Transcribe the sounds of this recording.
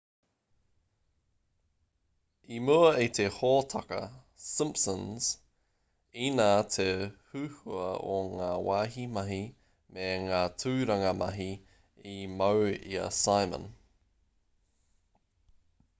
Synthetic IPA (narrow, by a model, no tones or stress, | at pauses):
imuɐit̪ʰehoːt̪ʰɐkɐ̰ | sɪ̃mpsənz̥ | iːnaːtʰehʉhʉɐ̰oŋaːwaːɦimɐɦi | meŋaːtʰʉːɾɐŋɐmɐɦi | imɐwḭɐ̰sajmə̰̃n